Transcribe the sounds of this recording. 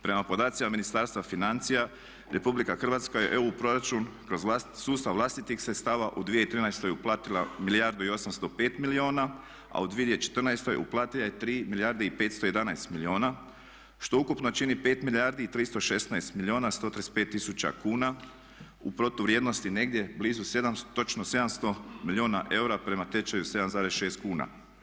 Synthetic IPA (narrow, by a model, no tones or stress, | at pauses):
pɾe̞mapo̞d̪aːt̪simaminist̪aːɾst̪ʋafinant̪sija | ɾe̞publikaxr̩ʋaːt̪skajḛʔeupɾo̞ɾat͡ʃunkɾo̞zasuːst̪aʋlˠaːst̪it̪ixsɾet̪st̪aːʋaʔud̪ʋije̞it̪ɾiːnajst̪o̞juplˠaːt̪ilˠa̰milijaɾd̪uio̞samst̪o̞pe̞ːt̪milioːna | a̰ud̪ʋijed̪jet͡ʃet̪rnajst̪ojṵplˠaːt̪ilˠajet̪ɾiːmilijaɾd̪eipe̞ːt̪st̪o̞je̞d̪anajst̪milio̞ːna | ʃt̪o̞ukupnot͡ʃinipe̞ːt̪milijaɾd̪iit̪ɾiːst̪o̞ʃe̞snajst̪milioːnast̪o̞t̪ɾespe̞ːt̪ːisut͡ɕa̰kuːna | upɾo̞t̪uʋɾjed̪no̞st̪ine̞ɡd̪je̞bliːzuse̞d̪amt̪o̞t͡ʃnose̞d̪amst̪o̞milioːnaʔe̞uɾapɾe̞mat̪et͡ʃajuse̞d̪amzaːɾesʃe̞ːst̪̚kuːna̰